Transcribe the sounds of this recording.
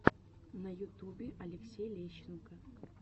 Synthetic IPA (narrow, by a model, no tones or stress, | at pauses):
nɐjʊt̪ubʲɪʔɐlʲɪksʲejlʲeɕːɪnkɐ